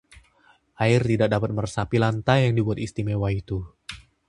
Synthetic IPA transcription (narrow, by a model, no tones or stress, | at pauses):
ʔaɪrt̪idak̚dapat̪̚mərsapilant̪ajaŋdibuat̪ist̪imewait̪u